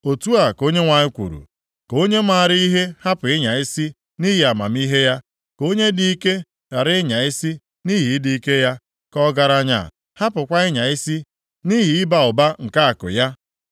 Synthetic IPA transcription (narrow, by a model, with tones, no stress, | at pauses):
o˨tu˦a˨ko˦ɲe˦ŋʷa˨ɲɪ˦kʷṵ˨ɾṵ˨ | ko˦ɲe˦ma˨ɾɪ˦i˦ɦe˦ha˦pʊ˨ɪ˦ɲa˨i˦si˦ | ni˦ɦi˨a˨ma̰˨mi˦ɦe˦ja˦ | ko˦ɲe˦di˨i˦ke˦ | da˨ɾɪ˦ɪ˦ɲa˨i˦si˦ | ni˦ɦi˨˦di˨i˦ke˦ja˦ | kɔ˦ɡa˨ɾa˦ɲa̰˦˨ | ha˦pʊ˨kʷa˦ɪ˦ɲa˨i˦si˦ | ni˦ɦi˨˦ɪ˦ba˨ʊ˨ba˦ŋ̩˨ka˦a˨kʊ̰˨ja˦